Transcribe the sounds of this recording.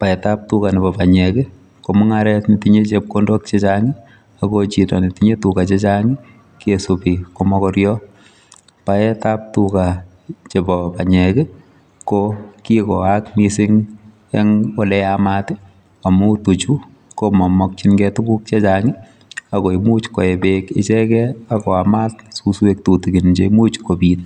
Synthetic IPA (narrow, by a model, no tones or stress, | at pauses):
paɛtap̚tukanɪbɔpaɲɛkɛ | komɔŋaɾɛtnitiɲet͡ʃep̚kondɔk̚t͡ʃet͡ʃaŋɪ | akot͡ʃitɔnitiɲetukat͡ʃet͡ʃaŋɪ | kiesopikomɔkɔɾjɔ | paɛtap̚tuka | t͡ʃepɔpaɲɛkɛ | kokikɔakmisɪŋ | ɛŋɔlɛamatɪ | amutut͡ʃu | komɔmɔk̚t͡ʃinɡɛtʊkuk̚t͡ʃet͡ʃaŋɪ | akoimut͡ʃkɔebeket͡ʃɛkɛakɔamatsuswek̚tutiɡind͡ʒeimut͡ʃkobiːt